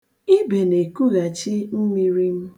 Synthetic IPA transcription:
i˦be˨ne˨ku˦ɣa˨t͡ʃi˦m̩˦mi˦ɾi˦m̩˦

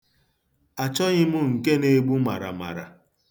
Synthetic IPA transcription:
a˨t͡ʃɔ˦ɲɪ˦mʊ˦ŋ̩˨ke˦ne˦ɡ͡bu˦ma̰˨ɾa̰˨ma̰˨ɾa̰˨

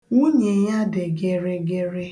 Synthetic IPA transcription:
u˦ɲe˨ja˦de˨ɡe˨ɾe˦ɡe˦ɾe˦

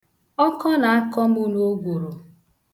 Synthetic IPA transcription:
ɔ˦kɔ˦na˨a˦kɔ˦m̩˦u˦nu˦o˦ɡʷo˨ɾo˨

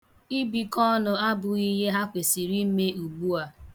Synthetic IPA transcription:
i˦bi˨kɔ˦nʊ˨a˦bʊ˨i˦ɦe˦ɦa˦kʷe˨si˨ɾi˦m̩˦me˦u˨ɡ͡bu˦a˦

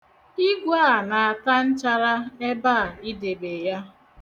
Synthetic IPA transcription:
i˦ɡʷaː˦˨na˨a˨ta˦n̩˦t͡ʃa˦ɾa˦e˦ba˦a˨i˦de˨be˨ja˦

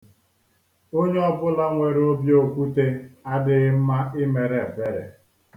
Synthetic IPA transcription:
o˦ɲe˦ɔ˦bʊ˦la˦ŋʷe˨ɾo˦bjo˦kʷu˦te˦a˦dɪ˨ɣm̩˦ma˦ɪ˦me˨ɾe˨pe˦ɾḛ˨

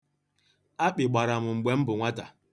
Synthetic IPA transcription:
a˦k͡pɪ˨ɡ͡ba˨ɾa˨m̩˨ŋ͡m̩˨ɡ͡be˨˦m̩˦bʊ˨ŋʷa˦ta̰˨

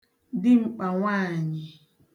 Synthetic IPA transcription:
dɪ˦ŋ͡m̩˦k͡pa˨ŋʷa˦˨ɲɪ˨

